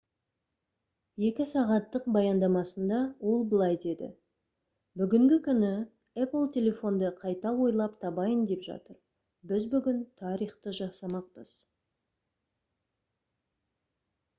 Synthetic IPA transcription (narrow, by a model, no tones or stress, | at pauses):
je̞kʲɪsɑʁɑt̪ːəqbɑjɑnd̪ɑmɑsənd̪ɑwo̞lˠbəlˠɑjd̪e̞d̪ɪ̰ | bʏɡʲɪŋɡʲɪkʲʰʏnɪ | ɛplˠt̪ʰʲe̞lʲe̞fo̞nd̪əqʰɑjt̪ɑwo̞jlˠɑpt̪ʰɑbɑjənd̪e̞pʒɑ̰t̪əɾ | bɪzbʏɡʲɪnt̪ʰɑɾijχt̪əʒɑsɑmɑq̚pəz̥